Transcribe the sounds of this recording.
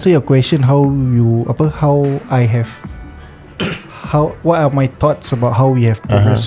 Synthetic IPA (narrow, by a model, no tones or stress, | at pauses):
ɛsəjəkwɛstə̃nɦawjua̰pəhawʔajɦɛv | hawwɔtamajt̪ʰɔtsəbaʊt̚ɦawwihɛvpɛvəs